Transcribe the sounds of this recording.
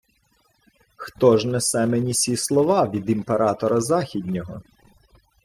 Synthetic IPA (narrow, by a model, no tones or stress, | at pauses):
xt̪ɔʒnɛsɛmenʲisʲislˠɔʋɑʋʲid̪impeɾʔɑt̪ɔɾɐzɑxʲid̪ʲnʲɔɦɔ̰